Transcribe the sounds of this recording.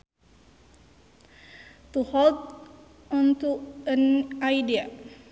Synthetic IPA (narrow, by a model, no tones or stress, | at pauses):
t̪uhɔlt̪̚ | ɔnt̪uənajdia